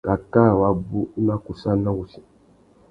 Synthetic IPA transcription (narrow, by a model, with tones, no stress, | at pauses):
ka˨ka˦˨wa˨bu˦na˦ku˨sa˦nã˦wu˨si̥˨